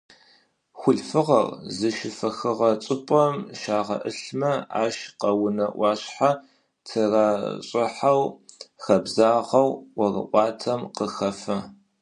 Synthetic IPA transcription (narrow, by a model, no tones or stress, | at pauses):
xʷʊɮfɨʁɐ̰rzɨʃɪfɐxɨʁɐt͡sʼɪpʼɐmʃaːʁɐ̰ʔɨɬmɐa̰ːʃqɐwʊnɐʔʷɑːɕħa | tʰɨraːɕʼɪħawxɐbzaːʁɐwwɐrɨ̰ʔʷʼɑːtʰɐmqəxɐfɐ